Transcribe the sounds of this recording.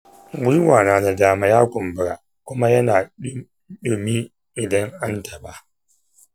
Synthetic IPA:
wʊ˦i˦waː˨naː˨na˨daː˨ma˨jaː˦kʷʊ˨mbɨ˨ɾa˨ | kʷʊ˦ma˦jɐ˦naː˨˦ | ɗʊ˨mi˦ | ʔɪ˨dɐ˦ŋʔa˦nta˨ba˦

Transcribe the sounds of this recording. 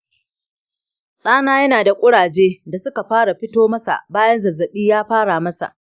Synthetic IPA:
ɗaː˦naː˦jɐ˦naː˨da˨kʷʼʊ˦ɽaː˨d͡ʒeː˦da˨sʊ˦ka˨ɸaː˦ɽa˨ɸɪ˦toː˦mɐ˦sa̰˨ʔbaː˦jɐ˦nzɐ˨zːɐ˨ɓiː˦jaː˦ɸaː˦ɽa˨mɐ˦sa̰˨ʔ

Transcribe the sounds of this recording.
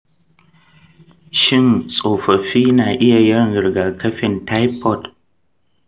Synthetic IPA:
ʃɪ˦˨nsʼoː˨ɸɐ˨ɸiː˦naː˨ʔɪ˦ja˨jɐ˦nɣɪ˨ɾɡa˨kʰɐ˦ɸɪ˨nta˦jpɔ˦˨t

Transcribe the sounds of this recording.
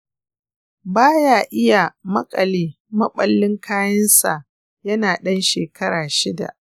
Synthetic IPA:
baː˦jaː˨ʔɪ˦ja˨mɐ˦kʼɐ˨liː˦ | mɐ˦ɓɐ˦lːɪ˦ŋkʰaː˦jɐ˦nsa̰˨ʔ | jɐ˦naː˨ɗɐ˦nʃeː˨kʰɐ˦ɾaː˨ʃɪ˦da̰˨ʔ

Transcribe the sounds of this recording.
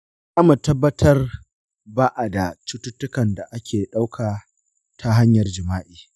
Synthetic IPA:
ʔa˦ma˨tɐ˦bːɐ˦tʰɐ˦r | baː˦ʔa˨da˨t͡ʃʊ˦tʊ˦tːʊ˦kɐ˨nda˨ʔa˦kʲʰeː˨ɗa˦wkʰaː˨ | tʰa˦ɦa˦ɲjɐ˨rd͡ʒɪ˨maː˦ʔiː˨

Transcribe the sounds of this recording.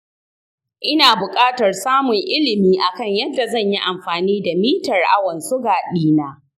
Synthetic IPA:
ʔɪ˦naː˨bʊ˨kʼaː˦tɐ˨rsaː˦mʊ˨ŋʔɪ˦lɪ˨miː˦ʔa˨kɐ˦˨ɲjɐ˦dːa˨zɐ˦˨ɲji˦ʔa˨mɸaː˨niː˦da˨miː˦tɐ˨rʔa˦wɐ˨nsʊ˦ɡaː˨ɗiː˦naː˦

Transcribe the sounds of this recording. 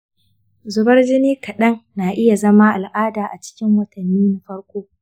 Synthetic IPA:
zʊ˦bɐ˦rd͡ʒɪ˦niː˦kʰɐ˨ɗɐ˦ŋːaː˨ʔɪ˦ja˨zɐ˦maː˦ʔa˨lʔaː˦daː˨ʔa˨t͡ʃɪ̥˦kʲɪ˦ŋwɐ˨tʰɐ˨nːiː˦na˨˦ɸɐ˦ɽkʷoː˦

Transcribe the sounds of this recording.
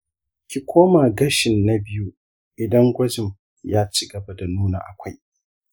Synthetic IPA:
kʲi˨kʷoː˦ma˨ɡɐ˦ʃɪ˨nːa˦bɪ˦ju˦ | ʔɪ˨dɐ˦ŋɡʷɐ˦d͡ʒɪ˨m | jaː˦t͡ʃɪ˦ɡɐ˨bɐ˦da˨nuː˦na̰˨ʔa˨kʷa˦j

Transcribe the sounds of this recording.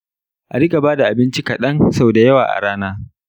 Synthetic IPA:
ʔa˨ɾɪ˦kʼa˨baː˦da˨ʔa˨bɪ˦nt͡ʃi˦kɐ˨ɗɐ˦nsa˦bda˨jɐ˦waː˨ʔa̰˨ɽaː˦naː˦

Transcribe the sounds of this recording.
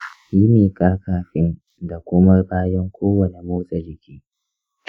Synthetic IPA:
ʃiː˦neː˨kʼaː˦kaː˨ɸɪ˦n | da˨kʷʊ˦mɐ˦rbaː˦jɐ˦ŋkʷoː˦wɐ˨ne˨moː˦sʼa˨d͡ʒɪ˨kʲiː˦

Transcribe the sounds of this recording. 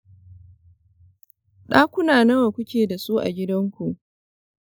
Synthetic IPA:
ɗaː˦kʷʊ˦naː˨nɐ˦wa˨kʷʊ˦kʲeː˨da˨suː˦ʔa̰˨ɡʲɪ˦dɐ˦ŋkʷu˨ʔ

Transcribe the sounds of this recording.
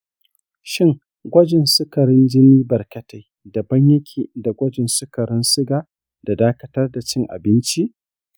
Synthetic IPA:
ʃɪ˦ŋ | ɡʷɐ˦d͡ʒɪ˨nsʊ˦kɐ˨ɾɪ˦nd͡ʒɪ˦niː˦bɐ˨rkɐ˦ta˨j | dɐ˨bɐ˦ɲjɐ˦kʲʰiː˨da˨ɡʷɐ˦d͡ʒɪ˨nsʊ˦kɐ˨ɾɪ˦nsʊ˦ɡaː˨ | d̥a˨daː˦kɐ˦tɐ˦rda˨t͡ʃɪ˦ŋʔa̰˨bɪ˦nt͡ʃi˦ʔ

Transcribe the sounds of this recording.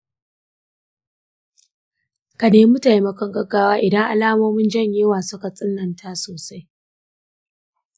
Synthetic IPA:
ka˨neː˦mu˦ta˨jmɐ˦kɔ˦ŋɡɐ˦ɡːaː˦waː˦ʔɪ˨dɐ˦ŋʔa̰˨laː˦moː˦mɪ˦nd͡ʒɐ˦˨ɲjeː˦waː˨sʊ˦ka˨sʼɪ˦nːɐ˨ntʰa˦soː˨sa˦j

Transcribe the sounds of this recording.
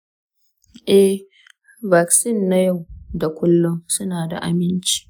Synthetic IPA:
ʔɛ˦h | ba˨ksɪ˦˨nːa˦ja˦˨wda˨kʷʊ˦lːʊ˦ŋsʊ˦naː˨da̰˨ʔa̰˨mɪ˦nt͡ʃi̥ː˦

